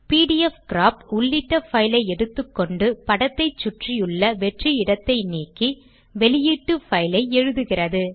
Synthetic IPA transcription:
piːɽijɛfkɪɾaːpʊɭːɪʈːɐfɐjɪlɐɪɛɽɯt̪ːɯkːɔɳɖɯpɐɽɐt̪ːɐɪt͡ʃːʊʈrɪjɯɭːɐʋɛʈriɪɽɐt̪ːɐɪniːkːi | ʋɛlɪjiʈːɯfɐjlɐɪɛɻɯðɯɣɪrɐðɯ

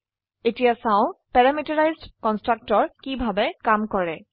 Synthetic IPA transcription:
etijasaʊ̃pɛɹamitɔɹajzdkɔnstɹak̚tɔɹkibʱabɛkamkɔɹɛ

